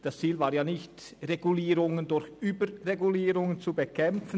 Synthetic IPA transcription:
d̥ast͡siːlvaːjaːnɪçtʁeɡuliːʁʊŋəndʊɾçyːbəʁeɡuliːʁʊŋənt͡subəkʰɛmp͡fən̩

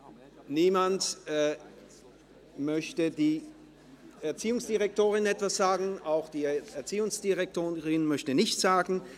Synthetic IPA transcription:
niːmantː | mœçtədiː | ɛɐt͡siːʊŋsd̥iʁɛk̚tʰoːʁɪnɛtv̥asz̥aːɡŋ̩aʊxd̥iːɛɐt͡siːʊŋsd̥iʁɛk̚tʰoːʁɪnmœçtənɪçtz̥aːɡŋ̩

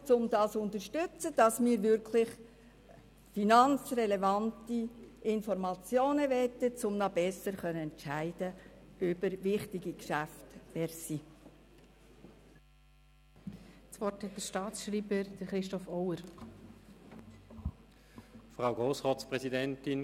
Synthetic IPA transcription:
t͡sʊmdɑːsʊntərʃtʏt͡səd̥ɑsmiːɾʋɪɾkʰlɪχ | finɑnt͡srɛlevɑntiʔɪnfɔrmɑt͡sjoːnəʋɛtət͡sʊmnɑbɛsəɾχœnəɛnt͡ʃæɪd̥əœb̥əɾʋɪχtiɡikʃæftʋɛːɾsiː | svɔrthɛt̚d̥əɾʃtɑːtsʃɾiːbəɾd̥əɾχɾɪʃtɔfɔwəɾ | fʁaʊɡʁoːsʁɔːspʁɛsidɛntɪn

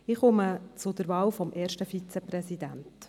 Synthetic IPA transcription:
ɪχʊmət͡sʊd̥̪əɾvɑːwfɔmʔɛːɾʃtəfit͡sɛpɾɛsid̪ænt

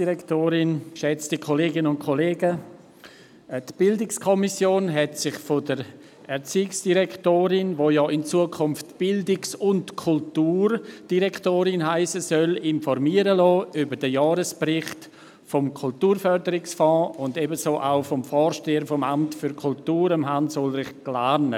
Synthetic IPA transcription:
diɾɛktoːɾɪnʃɛt͡stəkʰoleːɡɪnʊntkʰoleːɡə | tb̥ɪldɪkskʰɔmisjoːnɦɛtsɪχfodəɾ | ɛɾt͡siːksd̥iɾɛktoːɾɪnʋoːjɔʔɪnt͡suəkʰʊmftb̥ɪldɪksʊntkʰʊltuːɾd̥iɾɛktoːɾɪnɦaɪsəsœlɪnfɔɾmiəɾəlɔːʔybəɾdəjɑːɾəspɾɪχt | fɔmkʰʊltuːɾfœɾdəɾɪksfɔ̃ːʊndebəsoːʔaʊfɔmfɔːɾʃteːəfɔmamtfyɾkʰʊltuːɾəmɦansʊlɾɪχklaːɾnə

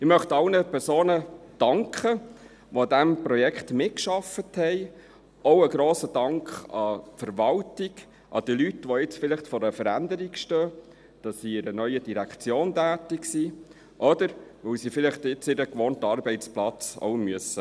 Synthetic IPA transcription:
ɪmœχtɑlnəpʰɛɾsoːnəd̥ɑŋkχə | ʋod̪æmpɾɔjɛkχtmɪtkʃɑfəthɛɪ | owəɡɾoːsəd̥ɑŋkχɑfəɾʋɑltɪɡ | ʔɑ̰d̥̪iːlytʋɔɪt͡sfɪlɪχtfɔɾəfəɾænd̪əɾikʃtœː | d̥ɑssiɪɾənœʏəd̥iɾækt͡sjoːntæːtɪksiː | ʔɔd̥̪əɾʋœwsifɪlɪχtɪt͡sɪɾəkʋoːntɑːɾbɛɪtt͡splɑt͡so̰ʊmyəsə

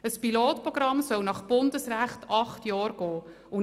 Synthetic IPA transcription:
əspiloːtpɾɔɡ̥ɾɑmsœwnɑχb̥ʊndəsɾæχtɑχtjɑːɾɡ̥ɔː | ʊ

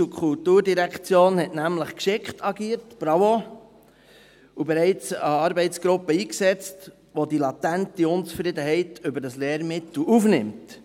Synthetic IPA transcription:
t͡sukʰʊltuːɾdiɾækt͡sjoːnhɛtnæmləχkʃɪkχtʰɑɡiːəɾtb̥ɾɑwo | ubɛɾɛɪt͡səɑɾbɛɪt͡sɡ̥ɾʊpːəiːksɛt͡st | ʋodilɑtæntiʊnt͡sfɾɪd̪əɦɛɪtʰʏbəɾdɑsleːɾmɪtl̩ufnɪmt

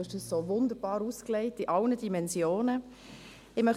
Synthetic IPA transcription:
ɪʃd̥əssoːvʊnd̪əɾb̥ɑːɾuːskleɪtiʔɑlnədimɛnsjoːnə | ɪmœχ

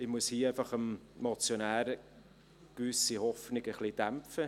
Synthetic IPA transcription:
ɪmuəshiːæɪfɑχəmmot͡sjonæːɾə | kʋʏsihɔfnɪɡəχlid̥æmfə

